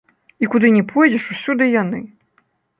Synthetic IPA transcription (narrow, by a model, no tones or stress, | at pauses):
ikud̪ɨnʲɛpʰɔjd͡zʲɛʂusʲud̪ɨjanɨ